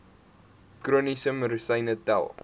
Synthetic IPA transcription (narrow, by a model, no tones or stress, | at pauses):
krunisəməɾusəjnətæ̰lˠ